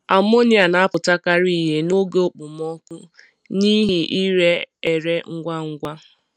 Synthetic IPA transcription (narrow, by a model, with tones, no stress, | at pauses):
a˨mo˦ni˦˨a˨na˨a˦pʊ˨ta˦ka˦ɾi˦˨ɦe˦no˦ɡe˦o˨k͡pʊ˨m˦ɔ˦kʷʊ˦ | ni˦ɦi˨ʔi˦ɾe˦e˨ɾe˦ŋ̩˦ɡʷa˦ŋ̩˦ɡʷa˦